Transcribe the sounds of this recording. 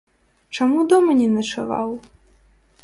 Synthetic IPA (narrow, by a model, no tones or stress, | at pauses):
t͡ʂamud̪ɔmɐnʲɛnɐt͡ʂava̰w